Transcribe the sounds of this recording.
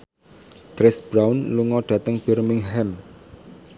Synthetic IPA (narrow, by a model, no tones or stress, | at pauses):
ɡ̥ɾɛsb̥ɾawnluŋɔɖ̥ä̤t̪əŋb̥ɛrmɪŋɦɛm